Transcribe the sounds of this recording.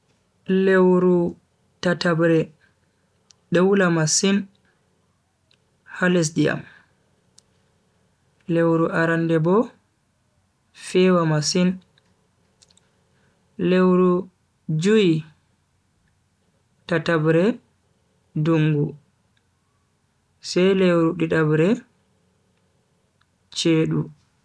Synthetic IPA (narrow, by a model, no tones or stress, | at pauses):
lewɾu | tatabɾɛ | ɗɛwulamasin | halɛs̬dija̰m | lewɾuʔaɾandɛbɔ | fɛwamasin | lewɾu | d͡ʒuji | tatabɾɛ | duŋɡu | sɛjlewɾuɗiɗabɾɛ | t͡ʃeːɗu